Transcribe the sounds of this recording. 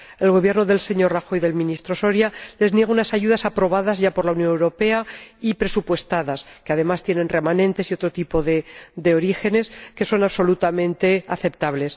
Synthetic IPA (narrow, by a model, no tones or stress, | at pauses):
e̞lɣo̞βje̞ɾno̞ðe̞lse̞ɲo̞raxo̞jðe̞lmĩnist̪ɾo̞so̞ɾjale̞znje̞ɣ̞unasaʝuðasapɾo̞βaðazʝapo̞ɾlaunjo̞newɾo̞pe̞aipɾe̞supwe̞st̪aðaskeaðe̞mast̪je̞nẽ̞nre̞manẽ̞nt̪e̞sio̞t̪ɾo̞t̪ipo̞ðed̪e̞o̞ɾixe̞ne̞ske̞so̞naβso̞lut̪amẽ̞nt̪e̞aθe̞p̚t̪aβle̞s